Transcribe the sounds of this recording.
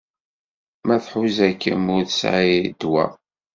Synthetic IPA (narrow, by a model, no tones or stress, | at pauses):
mæθħuzækːə̰mʊɾθsʕid̪wæ̰